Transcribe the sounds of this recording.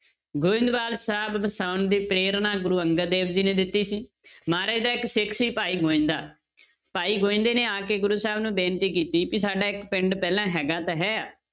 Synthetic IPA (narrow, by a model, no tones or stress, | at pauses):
ɡoːɪ̃nd̪baːlsaːbbəsaːʊnd̪iːpɾeːɾnãːɡʊɾuːəŋɡəld̪eːbd͡ʒiːnẽːd̪ɪt̪ːiːsiːmaːɾeːd̪aːɪksɪkʰsiːpaːiːɡoːɪ̃nd̪aː | paːiːɡoːɪ̃nd̪eːneːaːkeːɡʊɾuːsaːbnũːbeːnt̪iːk̬iːt̪iːpisaːɖaːɪkpɪɳɖpɛːlãːɦɛːɡaːt̪aːɦɛːaː